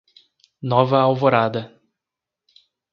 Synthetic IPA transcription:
nɔvɐawvoɾad̪ɐ

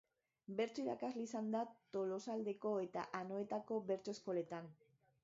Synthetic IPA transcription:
be̞ɾt͡so̞iɾa̰kazliisand̪at̪o̞lo̞sald̪e̞ko̞e̞t̪a̰ʔano̞e̞t̪ako̞βe̞ɾt͡so̞e̞sko̞le̞t̪an

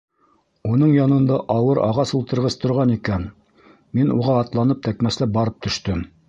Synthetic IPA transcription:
un̪ɤɴjɑnɤ̆nd̪ɑʔɑwɤɾɑ̰ʁɑsulˠt̪ɤ̆ɾʁɤst̪ŏɾʁɑnikæn | minṵʁɑːt̪lˠɑnɤp̚t̪ækmæslæbɑɾɤp̚t̪ɵ̆ʃt̪ɵm

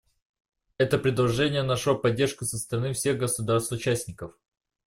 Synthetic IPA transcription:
ɛt̪əpɾʲɪd̪lˠɐʐɛnʲɪjənaʂlopɐdʲːe̞rʂkʊsəst̪əɾɐnɨfsʲe̞ɣɡəsʊd̪arst̪ʊt͡ɕæsʲnʲɪkəf

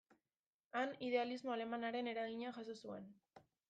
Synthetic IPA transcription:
aniðe̞alizmo̞ale̞manaɾe̞ne̞ɾaɣiɲaʝasosue̞n

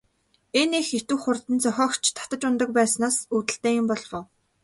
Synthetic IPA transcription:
enexet̪ŭːχʊrt̪ɘ̆nt͡sœxʲɔːkt͡ɕʰt̪ʰḁt̪ə̆t͡ɕʊnt̪ə̆k̚pæːsnaːsuːt̪ɘ̆ɬt̪eːjʊmpɔɮwʊː

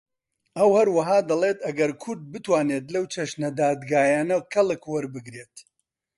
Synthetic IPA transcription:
ʔɐwhɐɾwɐɦaːd̪ɐlˠet̪ɐɡɐɾkʰʊɾd̪̚bɨt̪waːneːt̪lɐwt͡ʃʰɐʃnɐd̪aːd̪ɡaːjaːnɐkʰɐlˠɨkwɐɾbɨɡɾeːt̪

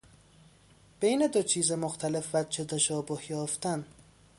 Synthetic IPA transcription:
b̥ejned̪ot͡ʃʰiːzemoxt̪ʰæle̞fvæt͡ʃʰet̪ʰæʃɒːbohjɒːft̪æn

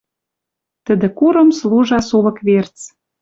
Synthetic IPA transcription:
t̪ə̆d̪ĕkuɾə̆msluʒɑsulɤ̆kβert͡s

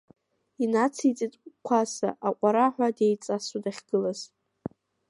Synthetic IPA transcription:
inat͡sʰit͡sʼitʼʷkʷʰasa̰ʔaqʷʼaɾaħʷᶣadejt͡sʼasudaχʲɡ̥ɨlaz̥

